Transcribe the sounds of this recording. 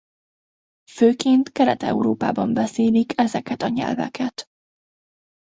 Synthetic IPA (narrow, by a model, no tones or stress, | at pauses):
føːkeːnt̪kɛɾɛ̰t̪ɛ̰uɾoːpa̰ːbɒmbɛseːlikɛzɛkɛt̪ɒɲɛ̰lvɛ̰kʰɛt̪